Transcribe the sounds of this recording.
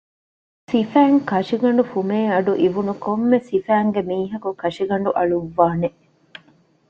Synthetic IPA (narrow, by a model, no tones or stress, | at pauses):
sifæːŋkɐʂiɡɐɳ̆ɖufumeːɐɖuʔiʋunukomːesifæːŋɡemiːɦɐkukɐʂiɡɐɳɖuʔɐɭuʋːaːne